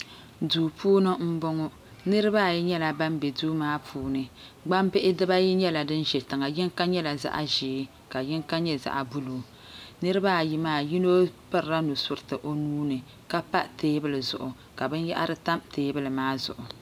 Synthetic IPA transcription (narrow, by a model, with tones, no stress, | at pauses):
duː˨pʰuː˦nɨ˦m̩˦bʊ˦ŋɔ˦ | nɨ˦ɾɨ˦baː˦˨ji˦ɲɛ˦la˨ba˦m˦bɛ˨duː˦maː˦pʰuː˦nɨ˨ | ɡ͡ba˦mpɪ˦ʔɪ˦dɨ˦ba˦ji˦ɲɛ˦la˨dɨ˦n˦ʒɛ˨tɨ˨ŋa˨jɪ˦ŋka˦ɲɛ˦la˨za̰˦ʔa̰˨ʒiː˨˦ | ka˨jɪ˦ŋka˦ɲɛ˦za̰˨ʔa˨bu˦luː˨ | nɨ˦ɾɨ˦baː˦˨ji˨maː˦ji˦no˦pɨ˦ɾɾa˦nu˨sʊ˦˨ɾɨ˨tɨ˨ʔo˨nuː˦nɨ˨ | ka˦pa˦teː˦bɨ˦lɨ˨zʊ̰˨ʔʊ˨ | ka˨bɨ˦nja̰˦ʔa˦ɾɨ˦ta˦mteː˦bɨ˦lɨ˨maː˦zʊ̰˨ʔʊ˨